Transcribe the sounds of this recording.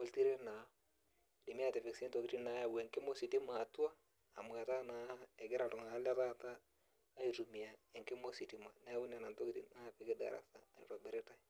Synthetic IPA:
wɔ˦lti˦ɾɛ˦na˨ | di˨mi˦a˦˨tɛ˨fɪ˨ksɛ˦nto˨ki˦ɾi˦na˨ja˦wɛ˨ŋkɪ˦mo˦si˨ti˦maː˨tu˦a˦ | a˨mu˨a˨ta˦na˦ɛ˨ɡɛ˦ɾa˨tu˨ŋa˨˦la˦ta˦taː˦ | iɾu˨mi˨a˨ɛ˨ŋkɪ˦mo˦si˨ti˦ma˨na˦wu˦nɛ˨na˨nto˦ki˦ɾḭ˨na˦fɪ˦kɪ˦da̰˨ɾa̰˨sa˦a˨ḭ˨ɾa˨bɛ˦ɾɛ˦ta˦i

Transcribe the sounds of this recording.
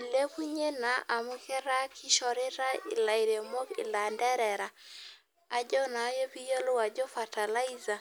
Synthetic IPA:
le˦ku˦ɲe˦na˨ʔa˨mu˦kɛ˦ɾa˦kʰɪ˦ʃɔ˨ɾe˦ɾa˦ɪ̰˨la˨i˨ɾe˨mɔ˦kɪ̰˨la˨ndɛ˦ɾɛ˨ɾa˨ | a˨d͡ʒɔ˦na˨˦jɔ˦pi˦jɔ˦lʊ˦wa˨d͡ʒɔ˦fa˨ta˨la˦i˦za˨

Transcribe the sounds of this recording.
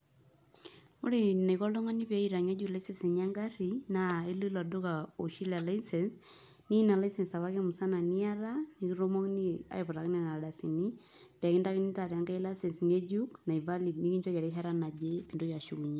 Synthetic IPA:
o˦ɾi˦na˨jkɔ˦lʊ˦ŋa˦ni˦pɛ˦i˨ɾa˨ŋe˦d͡ʒu˦la˦ise˦se˨ɲa˦ŋɡa˦ɾi˨na˨e˦lu˦lɔ˨dʊ˦ka˨o˨ʃi˦la˨la˦i˦sɛ˨ns | ni˦na˨la˦jsɛ˨nsa˨βa˦ke˦mu˨sa˦na˨ni˦a˦ɾa˦ni˦ki˦ɾo˦mɔ˦kni˦a̰˨ɪ˨pʊ˨ɾa˨ki˦nɛ˦na˨ɾa˨da˨si˨ni˦ | pɛ˨kɪ˦nda˦kɪ˦ni˦ta˨ɾja˦ŋɡa˦la˦se˨nsŋe˦d͡ʒu˦kna˨i˨va˦li˨dni˦ki˦ɲt͡ʃɔ˦ka˨ɾe˦ɦa˦ɾa˦na˨d͡ʒe˦pi˨ndo˦ja˨ʃu˦ku˨ɲ˦

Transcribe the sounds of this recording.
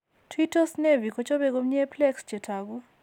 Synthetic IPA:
tʰwitɔ˦snevi˨kɔt͡ʃo˦be˦ɡo˦mɲe˦plɛ˦kst͡ʃe˨tʰaɡu˦

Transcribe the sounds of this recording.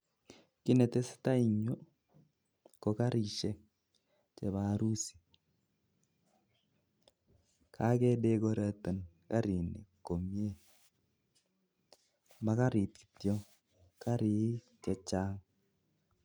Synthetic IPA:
kɪ˦nɛ˨tɛ˦sɪ̥˦ta˦i˨ɲo˦ | kɔ˨ka˦ɾi˨ʃɛ˦ | t͡ʃɛ˨ba˨ɾu˦si̥˨ | kʰa˦kɛ˦de˦ko˦ɾɛ˦tɛ˨n | ka˦ɾi˨nḭ˨kːo˨mi˦e˦ | ma˦ka˦ɾi˨t̪ki̥˨tjɔ˦ŋ | ka˦ɾɪ˨˦ | t͡ʃɛ˨t͡ʃa˦ŋ

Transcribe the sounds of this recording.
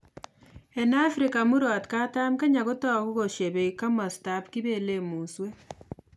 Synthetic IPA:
e˨na˦fɾika˨mu˦ɾaa˨tka˦ta˦mke˦ɲa˨ɣo˦ta˦ɣu˦ɣo˨ʃe˨βe˨ika˦ma˨sta˦pki˦βe˦le˦muː˨nswe˦

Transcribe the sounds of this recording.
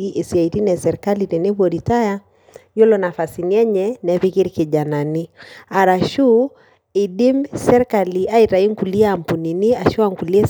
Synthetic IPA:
i˦ʔe˨si˨a˨i˨ti˦nɛ˨sɛ˨ɾɛka˦li˨tɛ˨nɛ˦βɔɾita˦ja | jɔ˦lɔna˨fa˨si˨ni˨ɛ˦ɲɛnɛ˨˦βi˦ki˦ɾike˨ʄa˨na˨ni˦a˨ɾa˨ʃu˦ | i˨ɗi˦msɛ˦ɾɛka˨li˨a˦i˨ta˨i˦ŋ˦ku˨li˦a˦a˨mpu˨ni˨ni˦a˨ʃu˦aŋku˨li˦ɛ˦

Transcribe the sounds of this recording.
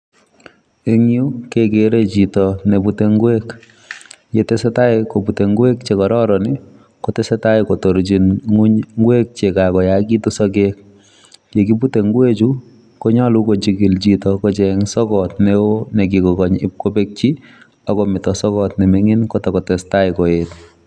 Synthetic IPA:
e˦ŋju˦kekeɾe˦t͡ʃi˨tɔne˨bu˦te˦ŋɡwek | je˨tɛsɛ˦ta˦ɪkobute˨ŋɡwe˦k̚t͡ʃe˨kɔ˨ɾɔ˦ɾɔnɪ˦ | kotɛ˦sɛta˦ɪko˨tɔ˨ɾt͡ʃinŋu˦ɲŋɡwe˦k̚t͡ʃe˨kakɔ˨jaki˦tu˦sɔ˦kek̚ | je˨kibu˦te˨ŋɡwe˦t͡ʃu | ko˦ɲa˦luko˨t͡ʃiɡi˨lt͡ʃitɔkɔt͡ʃɛŋsɔ˦kɔtneo˦ne˨k̬ikɔ˨kɔ˨ɲɪ̰p̚ko˦be˦k̚t͡ʃi˦ | ɔ˦kɔmɪ˨tɔ˨sɔ˦kɔtnɛ˨meŋi˦nkɔtɔkɔ˨tɛstaɪko˨et

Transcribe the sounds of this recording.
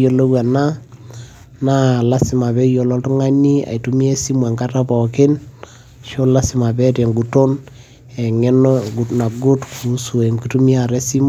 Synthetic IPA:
o˨lo˦wa˨na˦ | na˦la˦sɪ˨ma˨bɛ˦jo˨lɔ˦tu˦ŋa˦ni˦a̰˨itu˦mi˦e˦si˦ma˨ŋɡa˦ta˦pɔ˨kɪ˦n | ʃo˦la˦sɪ˨ma˨bɛ˦te˨ŋɡu˨to˦n | ɛ˨ŋɛ˦nɡuna˨ɡu˦tkʰu˨su˨ɛ˨ŋɡutu˦mi˦a˨ɾɛ˦si˦m

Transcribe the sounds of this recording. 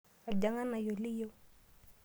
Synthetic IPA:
a˨d͡ʒa˨ŋa˦na˨jo˨li˦jo˦

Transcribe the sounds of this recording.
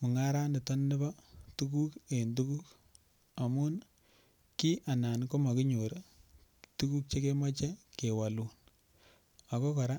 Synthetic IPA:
mʊ˨ŋa˦ɾa˦nɪ˨tɔ˦nːɪ˦ba˦tu˦ku˦ke˨ndu˦ku˦k | a˨mu˦n | ki˦ʔa˨na˨nko˦ma˨ki˦ɲo˨ɾ | tu˦ku˦k̚t͡ʃe˦ke˦ma˦t͡ʃɛ˦ke˨wa˨lu˨n | a˨ko˦kɔ˨ɾa˦

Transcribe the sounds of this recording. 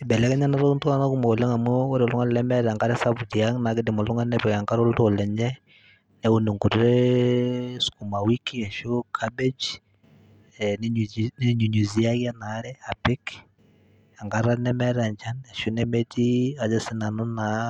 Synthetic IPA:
e˨bɛ˨lɛ˦kɛ˦ɲa˦na˦ɾo˦u˦nta˦na˦ku˦mo˨la˦ŋa˨mu˦o˦ɾe˨ɔ˨lu˦ŋa˦nlɛ˦mɛ˦ɾa˨ŋɡa˦ɾɛ˦sa˦βu˨tja˦ŋna˨ke˦di˨mo˨lu˦ŋa˦nɛpɛ˨ka˨ŋɡa˦ɾo˦lu˦to˨lɛ˨ɲɛ | nɛu˨nu˨ŋku˨ɾɾɛ | sku˨ma˨wi˦kiɛ˨ʃo˦kʰabe˦d͡ʒ | nneɲu˨ɲu˨zi˦a˦ɣja˦na˦ɾɛ˦a˨pi˦k | a˨ŋɡaɾa˦nɛ˦mɛ˦ɾa˨ɲd͡ʒa˦nɛ˨ʃu˦nɛmɛ˦ti˦a˨d͡ʒɛ˦si˦na˨no˦na

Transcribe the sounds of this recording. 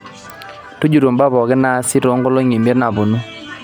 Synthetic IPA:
to˦d͡ʒu˨ɾo˨mba˦bɔ˨ɣɪ˦na˦sɪ˦ɾo˨˦ŋɡo˦lo˦ŋi˨me˦ɾna˨bo˨nu˦

